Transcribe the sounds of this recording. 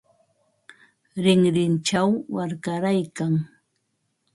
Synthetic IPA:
ɾɪŋɾɪnt͡ʃawːaɾkaɾajkaŋ

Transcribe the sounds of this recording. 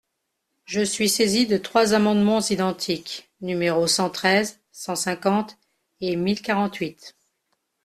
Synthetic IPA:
ʒəsɥisezid̪ət̪χwazamɑ̃d̪mɑ̃zid̪ɑ̃t̪ʰik | nymeʁosɑ̃t̪χɛz | sɑ̃sɛ̃kɑ̃t̪ | emilkaʁɑ̃t̪ɥit̪

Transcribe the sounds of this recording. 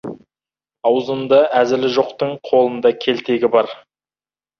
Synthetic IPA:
ɑwzəmd̪ɑʔæzɪlɪʒo̞qt̪əɴqʰo̞lˠənd̪ɑkʲʰe̞lt̪e̞ɡʲɪbɑɾ

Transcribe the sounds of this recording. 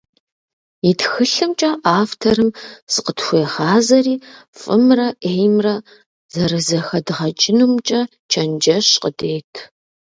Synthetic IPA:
itxɨɬɨmt͡ʃʼɐʔaːftʰɐɾɨmz̥ɨqətxʷeːʁɑːzɐriːfʼɨmrɐʔeːjmrɐ | z̥ɐrɨzɐxɐdɨʁɐt͡ʃʼɪnuːmt͡ʃʼɐ | t͡ʃʰɐnd͡ʒɐɕqədeːjtʰ

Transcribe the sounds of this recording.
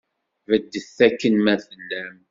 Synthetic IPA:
vəd̪ːəθːækːənmæθəlːæm

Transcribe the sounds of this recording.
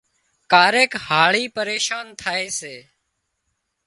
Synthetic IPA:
kaːɾeːkhaːɭiːpəɾeːʃaːnt̪ʰaːeːseː

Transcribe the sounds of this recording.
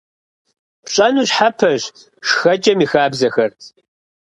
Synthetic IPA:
pɕʼɐnuːɕħapʰɐʑ | ʂxɐt͡ʃʼɐmiːxaːbzɐxɐr

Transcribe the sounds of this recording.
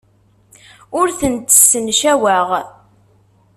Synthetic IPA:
ʊɾθənt̪ə̥sːənʃæwæʁ

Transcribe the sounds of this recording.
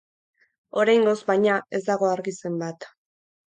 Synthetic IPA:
o̞ɾajŋɡo̞zbajɲae̞zd̪aɣo̞aɾɣise̞mbat̪

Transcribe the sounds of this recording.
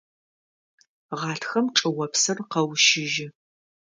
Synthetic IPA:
ʁɑːtʰxɐmʈ͡ʂʼɨwɐpsɨrqɐwʃɪʒɪ

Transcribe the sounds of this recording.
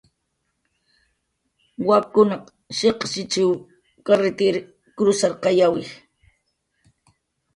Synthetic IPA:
wakʊnɑq | ʃeqʃɪt͡ʃɪw | kaɾɪt̪ɪɾ | kɾʊsaɾqɑjawɪ

